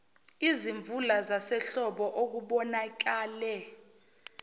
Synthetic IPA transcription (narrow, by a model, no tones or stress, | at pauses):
iziɱvulazasɛɬɔɓɔʔok̬uɓɔnak̬aːlɛ